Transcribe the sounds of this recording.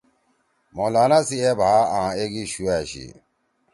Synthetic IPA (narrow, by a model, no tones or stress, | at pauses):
mɔ̃lanãsiɛbʱaãːeɡiʃuɛɕḭ